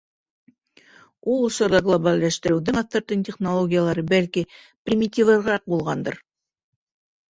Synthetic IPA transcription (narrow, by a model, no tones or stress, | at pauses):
ulˠŏʃŏɾðɑɡlˠobalʲːæʃt̪ɘ̆ɾɘwd̪ɘŋɐθeɾt̪ɘntʲeχnolˠoɡʲijalˠɑɾɤbælki | prʲimʲitʲivɤɾɾɑq̚bulˠʁɑnd̪ɤ̰ɾ